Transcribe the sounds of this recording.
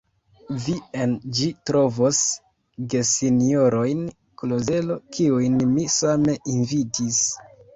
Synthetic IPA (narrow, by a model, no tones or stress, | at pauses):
viend͡ʒitɾo̞vo̞s | ɡe̞sinio̞ɾo̞jn | kloze̞lo̞kʰiujnmisame̞ʔinvitis